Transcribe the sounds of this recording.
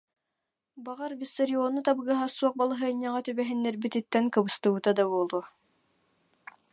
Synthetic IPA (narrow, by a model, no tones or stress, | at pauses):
baʁaɾvisɐɾiɔnːut̪abɯɡɯɦasuɔq̚balˠaɦɯɲːaʁɑt̪ybɛɦinːɛɾbit̪it̪ːɛnkɯbɯst̪ɯbɯt̪ad̪abuɔlˠu